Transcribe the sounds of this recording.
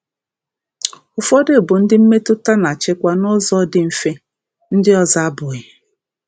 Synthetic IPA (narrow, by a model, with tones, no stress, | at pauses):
ʊ˨fɔ˦dɪ˦˨bʊ˨n̩˦dɪ˦m̩˦me˦tʊ˦ta˦na˨t͡ʃɪ˦kʷa˦nʊ˦zɔ˦dɪ˨m̩˦fe˦ | n̩˦dɪ˦ɔ˦za˦a˦bʊ˨ɣɪ˨